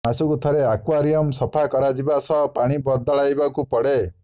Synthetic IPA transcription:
asukut̪ʰɔɾeakwaɾijɔmsɔpʰakɔɾad͡ʒibasɔɦpaɽ̃ibɔd̪ɔɭajbakupɔɽe

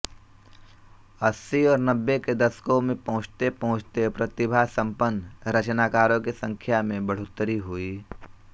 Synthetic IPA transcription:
əsːiɔːɾnəbːeked̪ɐskõmẽpɐɦʊ̃t͡ʃt̪epɐɦʊ̃t͡ʃt̪epɾɐt̪ɪbʱasə̃mpənːɾət͡ʃnaːkaːɾõkisə̃ŋkʰjamẽbəɽ̤ʊt̪ːɾiɦʊiː

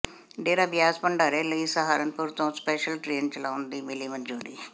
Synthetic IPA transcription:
ɖeːɾaːbɪjaːspəɳɖaːɾeːləiːsəɦaːɾənpʊɾt̪õːspɛːʃəlʈɾeːnt͡ʃəlaːʊnd̪iːmɪliːmənd͡ʒoːɾiː

